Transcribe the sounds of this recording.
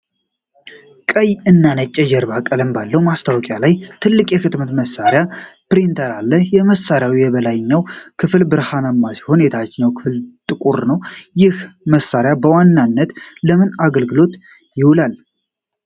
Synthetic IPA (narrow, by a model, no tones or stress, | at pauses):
kʼəjɨnːanət͡ʃʼːɛd͡ʒɛɾbakʼːələmbalːəwumast̪ʰawɔkʼjalajt̪ʰɨlːɨkʼjɛkʰɨt̪mət̪məsːaɾejapɾint̪ʰəɾalːəhjɛməsːaɾjawijɛβəlajɪɲːawkʰɨflbɨɾhanamːashunet̪ʰat͡ʃːɪɲːawkʰɨ̥fɨlt̪ʼɨkʼuɾnəwjɪhməsːaɾjabəwanːanːət̪ləmɨnaɡəlɡɨlo̞t̪ | jɪhʊlal